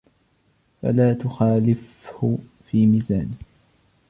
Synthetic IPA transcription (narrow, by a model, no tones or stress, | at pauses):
fa̰laːt̪ʊxaːlɪf | hʊ | fiːmiːzaːnɪh